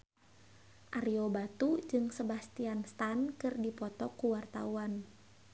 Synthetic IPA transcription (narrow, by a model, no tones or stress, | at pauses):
ʔaɾiobat̪ud͡ʒɨŋsəbast̪ianst̪ankɨrdipɔt̪ɔkuwart̪a̰uan